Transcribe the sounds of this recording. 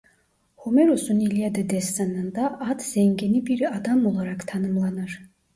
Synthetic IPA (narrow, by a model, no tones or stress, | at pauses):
homɛɾusunilʲijad̪ad̪ɛsːanɯnd̪aʔat̪ʰz̥ɛŋɡʲenibiɾɑd̪amolˠaɾɑkt̪ʰɑnɯmlˠɑnɯɾ